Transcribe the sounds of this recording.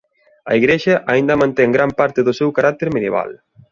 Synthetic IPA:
ɐ̰iɣɾeʃɐʔaind̪ɐmãnt̪ɛŋɡɾampaɾt̪ɪðʊsewkaɾak̚t̪eɾmeðjḛβa̰l

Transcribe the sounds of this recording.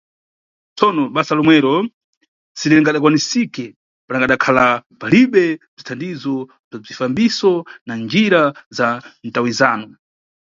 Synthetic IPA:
t͡sɔnɔɓasalɔmwɛɾɔ | siɾɛŋɡaɗak̬wanisikɛ | panaŋɡaɗakʰalapaliɓɛb͡ʐitʰandizɔ | b͡ʐab͡ʐifambisɔnand͡ʒiɾazantawizaːnɔ

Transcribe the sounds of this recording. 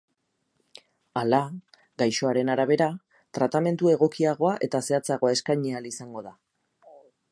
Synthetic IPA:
ala | ɡajʃo̞aɾe̞naɾaβ̞e̞ɾa | t̪ɾat̪ame̞nt̪ue̞ɣ̞o̞kiaɣ̞o̞aʔe̞t̪ase̞at͡saɣ̞o̞ae̞skajɲealisaŋɡo̞ða

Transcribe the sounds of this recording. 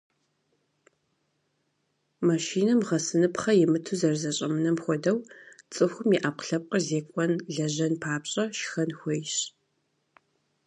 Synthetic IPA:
maʃiːnɐmʁɐsɨnɨpχɐjɛmɨtʰuzɐrzɐɕʼɐmɨnɐmxʷɔdɐwt͡sʼɨxʷʊmiːʔaːp̚qɬɐp̚ʼqʼɐrzeːkʷʼɔnɮɐʑɐnpʰaːpɕʼɐʃxɐnxʷejɕ

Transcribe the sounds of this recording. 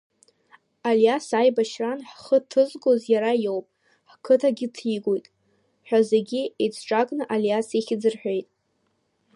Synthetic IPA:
aljasajbaʃranħχətʰɨzɡozjaɾajowpʼ | ħkʰɨtʰaɡʲɪtʰiɡojtʼ | ħʷᶣazeɡʲiet͡sʰʈ͡ʂʼakʼnɨʔaljaseχʲɪd͡zɨrħʷᶣe̞jtʼ

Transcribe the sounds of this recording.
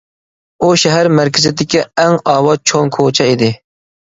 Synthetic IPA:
uʃɛɦæɾmæɾkʲʰɪzɪd̪ɪkʲiɛŋɑːwɑt͡ʃʰoŋkʰot͡ʃʰɛid̪ɪ

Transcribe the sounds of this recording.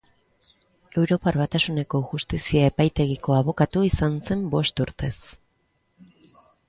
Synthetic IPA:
e̞wɾo̞parβat̪asune̞ko̞ʝust̪isiae̞pajt̪e̞ɣ̞iko̞aβo̞kat̪uisanse̞mbo̞st̪uɾt̪e̞s

